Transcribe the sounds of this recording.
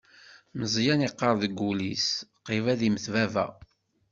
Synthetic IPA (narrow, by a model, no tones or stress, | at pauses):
məzˤjæniqːəɾˤðəɡːulisqːivæðiməθvævæ̰